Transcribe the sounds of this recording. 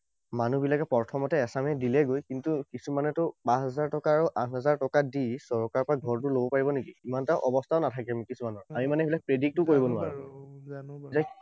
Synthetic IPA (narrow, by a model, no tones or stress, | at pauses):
manubilakɛpɔɹtʰɔmɔtɛːsamɛdilɛɡojkintukisumanɛtʊpãsɔzaɹtɔkaːɹuʔatʰɦɔzaɹtɔkadisɔɹkaɹpɹaɡʱɔɹt̬ʊlobɔpaɹibɔnikiimantaʔɔbɔstʰaʊnatʰakɛamikisumanɔɹamimanɛbilak̚pɹedik̚tʊkoɹibɔnʊaɹu | a